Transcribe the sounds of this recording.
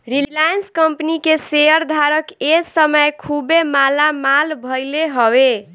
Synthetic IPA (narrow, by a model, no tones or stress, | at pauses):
ɾillajənskəmpnikeseəɾd̪ʱaɾəkesəməjkʰubemalamalbʱəjleɦɔwe